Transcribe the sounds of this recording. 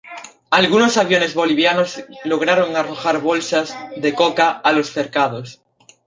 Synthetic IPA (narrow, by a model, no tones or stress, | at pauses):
alɣunosaβjo̞ne̞zβoliβ̞janozloɣ̞ɾaɾoŋaroxaɾβolsazðekokaalosθeɾkað̞os